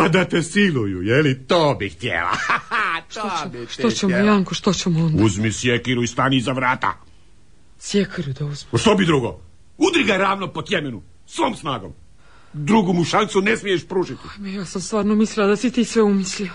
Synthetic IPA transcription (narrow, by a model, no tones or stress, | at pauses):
ad̪at̪esilujṵjelit̪oːbixt̪ʲjḛla̰tʃt̪ooʃot͡ɕemojaŋkoʃt̪ot͡ɕemonduzmisjekiɾuist̪aːnizaʋɾaːt̪a̰ | sjekʰiɾud̪auzmiʃt̪obid̪ɾuɡo | ud̪ɾiɡaɾaːʋnopot̪jemenu | sʋoːmsnaːɡom | d̪ɾuɡumuʃant̪sunesmijeʃpɾuːʃit̪iajmejaːsamst̪ʋaːɾnomislilad̪asit̪iːsʋeumislia